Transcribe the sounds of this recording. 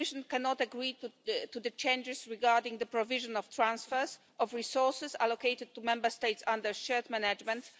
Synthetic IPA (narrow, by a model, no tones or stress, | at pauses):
ɪʃɔ̃nkɛnɔt̪aɡɹitt̪ud̪ət͡ʃẽnd͡ʒɪsɹiɡaɹdɪ̃ŋd̪əpɹɔvɪʒɔ̃nɔft̪ɹãnsfɛɹs | ʔɔfɹisɔɹsɪsa̰lokeɪt̪ɪd̪̚t̪ːumɛ̃mbə˞st̪eɪtsãnd̪əɹʃɛɹt̪mɛnad͡ʒmɛ̃nt̪